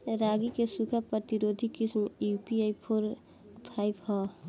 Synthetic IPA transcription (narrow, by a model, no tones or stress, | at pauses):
ɾaɡikesukʰapɾət̪iɾod̪ʱikismjupiaipʰoɾ | pʰajbɦɔ